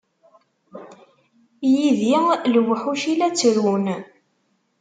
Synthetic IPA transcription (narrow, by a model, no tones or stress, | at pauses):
jiðiləwəħuʃilæt͡sːəɾun